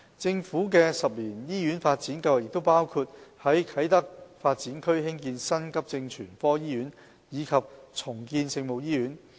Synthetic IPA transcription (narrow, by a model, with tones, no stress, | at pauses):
t͡sɪ˧ŋfuː˨˥k̬ɛː˧sɐ˨p̚liː˨˩njiː˥jy˨˥nfaː˧t̚t͡siː˨˥nkɐ˧wɐ˨˩jɪ˨k̚t̪o˥wpaː˥wkʰuː˧t̚hɐ˨˥jkʰɐ˨˥jt̪ɐ˥k̚faː˧t̚t͡siː˨˥nkʰɵ˥ɥhɪ˥ŋkiː˧nsɐ˥nkɐ˥p̚t͡sɪ˧ŋt͡ʃʰyː˨˩nfɔː˥jiː˥ɥyː˨˥n | jiː˨˧kʰɐ˨p̚t͡sʰʊ˨˩ŋkiː˧nsɪ˧ŋmo˨wjiː˥jyː˨˥n